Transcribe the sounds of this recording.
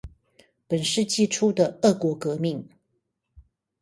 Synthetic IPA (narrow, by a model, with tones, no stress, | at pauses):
pə˨˩nʂɻ̩˥˧t͡ɕi˥˧ʈ͡ʂʰu˥d̪ə˨ə˥˩kwɔ˧˥kɤ˧˥mi˥˨ŋ